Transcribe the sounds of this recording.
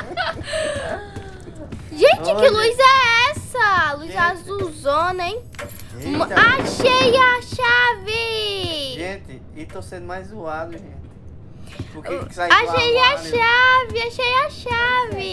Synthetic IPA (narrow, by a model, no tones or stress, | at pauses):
ʒẽt͡ʃɪkɪluizɛɛsɐluizazuzonẽ | aʃejaʃavɪ | ʒẽt͡ʃɪ | ɪt̪õsẽnd̪ʊmajzzuad̪ʒẽt͡ʃɪ | pʊkeaaʃejaʃavɪaʃejaʃavɪ